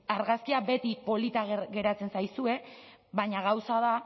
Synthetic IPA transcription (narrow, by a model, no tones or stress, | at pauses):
aɾɣaskiabe̞t̪ipo̞lit̪aɣɣe̞ɾat͡se̞nsajsue̞βaɲaɣ̞awsaða